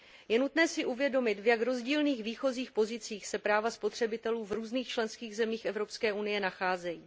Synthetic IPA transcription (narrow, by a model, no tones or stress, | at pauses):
jɛnut̪nɛːsɪʔuvjɛdo̞mɪt̪vjakɾo̞zɟiːlniːxviːxo̞ziːxpo̞zɪt͡siːxsɛpɾaːvaspo̞t̪r̝̥ɛbɪt̪ɛluːvɾuːzniːxt͡ʃlɛnskiːɣzɛmiːxʔɛvɾo̞pskɛːʔunɪjɛnaxaːzɛjiː